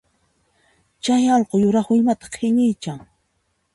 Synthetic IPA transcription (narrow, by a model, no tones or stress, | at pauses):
t͡ʃajɑlqojʊɾɑχʊɪmat̪ɑ̥qʰɪɲɪjt͡ʃaŋ